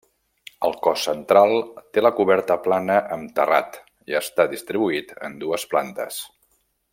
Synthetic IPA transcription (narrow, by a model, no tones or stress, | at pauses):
əlˠkɔsːənt̪ɾalˠt̪eləkuβɛɾt̪əplanəʔəmt̪əra̰t̪ | iəst̪aðist̪ɾiβuit̪ə̰nd̪uəsplant̪ə̰s